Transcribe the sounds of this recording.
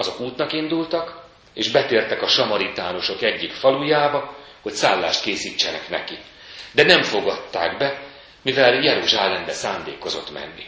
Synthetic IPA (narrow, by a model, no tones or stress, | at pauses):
ɒzokuːt̪nɒkind̪ult̪ɒk | eːʒbɛt̪eːrt̪ɛkɒʃɒmɒɾit̪aːno̞ʃo̞kɛɟːikfɒlujaːbɒ | ho̞csaːlːaːʃt̪̚keːsiːt͡ʃːɛnɛknɛ̰ki | d̪ɛnɛɱfo̞ɡɒt̪ːa̰ːɡbɛ | mivɛljɛɾuʒaːlɛnbɛsaːnd̪eːko̞zo̞̰t̪mɛ̰nːḭ